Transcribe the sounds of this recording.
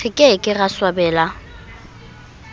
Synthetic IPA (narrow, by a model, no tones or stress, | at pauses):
ɪkʼekʼɪɣaswabɛːla